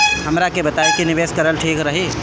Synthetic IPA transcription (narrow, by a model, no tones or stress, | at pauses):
ɦɐmɾakebɐt̪aːikinɪʋeːskɐɾəlʈʰiːkɾɐɦiː